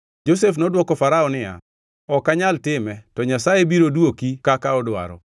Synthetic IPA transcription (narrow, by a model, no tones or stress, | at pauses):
d͡ʒos̬efnɔdwɔkɔfaɾaɔnɪja̰ | ɔkːaɲaltɪmɛtɔɲasajebiɾodwokikakaɔdʊa̰ɾɔ̰